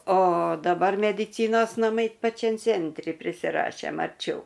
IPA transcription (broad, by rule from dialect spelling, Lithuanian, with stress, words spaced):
oː dɐˈbɐr mʲɛdʲɪˈt͡sʲiːnoːs nɐˈmɐɪ pɐˈt͡ʃʲɛm ˈt͡sʲɛnʲtʲrʲɪ pʲrʲɪsʲɪˈrɑːʃʲeːm ɐrʲˈt͡ʃʲɛʊ